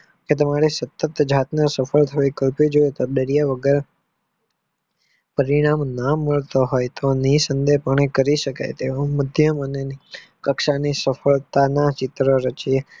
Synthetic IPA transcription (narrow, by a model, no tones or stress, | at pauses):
ket̪̬əmaɾesət̪ət̪d͡ʒʱat̪nasəfəlt̪ʰəʋikəlpid͡ʒoet̪oɗ̪əɾijaʋəɡəɾ | pəɾiɽ̃amnəməɭt̪oɦojt̪onisənd̪epəɳ̃ekəɾiʃəka̰jt̪eoməd̪ʱjəmənei | kəkʃanisəfəɭt̪anat͡ʃɪt̪ɾoɾət͡ʃie